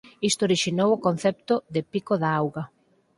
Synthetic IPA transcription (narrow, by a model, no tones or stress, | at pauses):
ist̪oɾiʃinowokonθɛp̚t̪ʊðɪpikoðaawɣa